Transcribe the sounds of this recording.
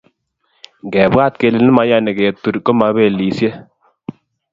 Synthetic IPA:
ŋɡɛ˨ba˦˨t̪̚ke˧˨lɪ˨nɪ˦ma˨˦ja˦nɛ˨kɛ˨t̪ːu˨ɾkɔ˦ma˨˦be˨li˨sje˦

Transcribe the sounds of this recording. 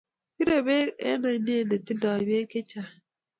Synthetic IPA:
i˦ɾe˨be˦ḛ˦na˨˦n˦e˦˨ne˨ti˦da˨be˦ke˦t͡ʃa˨

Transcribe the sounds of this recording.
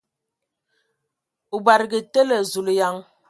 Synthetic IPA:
u˨ba˨ɾɡi˨te˦lə˨zu˨lja˨˦ŋ

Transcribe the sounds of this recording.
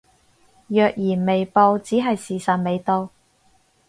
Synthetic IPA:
jœː˨k̚jiː˨˩nme˨jpo˧wt͡siː˨˥ɦɐ˨jsiː˨˩sɐ˨t̚me˨˧jt̪o˧w

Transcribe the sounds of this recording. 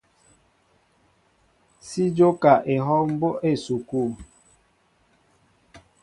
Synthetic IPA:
si˦d͡ʒo˦ka˨ʔe˨ɦɔ˦m̩˦bo˦ʔe˦˨su˨ku˦˨

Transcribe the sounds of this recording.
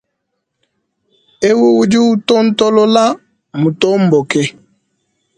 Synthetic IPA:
e˦wu˦wu˦d͡ʒi˦wu˦tɔ˦n̩˦tɔ˦lɔ˦la˦ | mu˨tɔ˦m˨bɔ˨kɛ˦

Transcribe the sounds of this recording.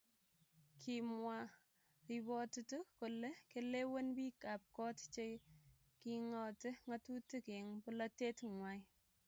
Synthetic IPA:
kʰimwa˨ | ribɔ˨tutu˦ko˨le˦kele˦wo˦nbi˦ka˨p̚kɔ˦tt͡ʃe˦j | kiŋɔ˨te˦ŋatu˦tike˨ŋpʊlɐte˦tŋwaj

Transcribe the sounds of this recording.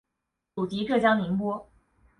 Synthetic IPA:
u˨˩t̪i˧˥ʈ͡ʂʰɤ˥˩t͡ɕjɑ˥ŋmi˧˥ŋpwɔ˥

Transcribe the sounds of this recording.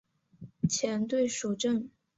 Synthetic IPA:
t͡ɕʰjɛ˧˥nt̪we˥˩ɪʂo˨˩ʊʈ͡ʂə˥˩ŋ

